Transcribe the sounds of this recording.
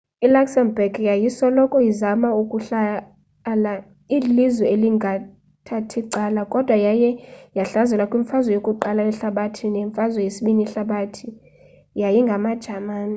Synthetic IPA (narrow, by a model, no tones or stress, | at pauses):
ilaksɛmbɛɡjajisɔlɔkʼɔjizamaukʼuɬa | la | ilizwɛeliŋɡʱa | tʰatʰiǀalakʼɔd̥ʱwajajɛjaɬazɛlakʼwiɱfazwɔjokʼuǃalaɛɬaɓatʰineɱfazwɔjesiɓiniɬaɓatʰi | jajiŋɡʱamad̥ʒ̥ʱamaːni